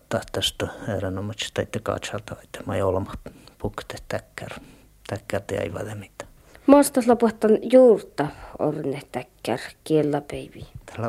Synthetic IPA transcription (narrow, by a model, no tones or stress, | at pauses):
t̪ɑht̪æst̪oerænomɑt͡ʃi̥t̪ɑit̪ːokɑ̰t͡ʃɑlt̪ɑɑit̪ːɑ̥mɑjolɑmɑpukt̪eht̪ækːær | t̪ækːært̪eæ̰iʋæ̰ðemit̪æ̥ | most̪ɑhlɑpuoht̪ːɑnjuːrt̪ɑo̰rneht̪ækːæ̰rkielːɑpeiʋit̪æ̥hlæ